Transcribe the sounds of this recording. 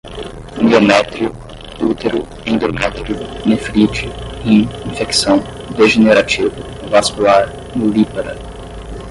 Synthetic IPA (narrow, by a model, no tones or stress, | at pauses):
miomɛt̪ɾiu | ut̪eɾʊ | ẽnd̪omat̪ɾunefɾit͡ʃɪĩĩfeksɐ̃w̃ | d̪eʒeneɾat͡ʃivʊ | vaskulaɾ | nulipɐɾɐ̰